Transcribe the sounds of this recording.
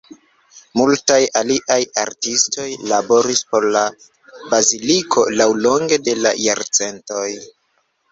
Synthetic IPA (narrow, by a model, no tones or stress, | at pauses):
multajaliʔaja̰ɾtisto̞jlabo̞ɾispo̞ɾla | bazilikʰo̞lawlo̞ŋɡe̞de̞la̰jaɾt͡se̞nto̞j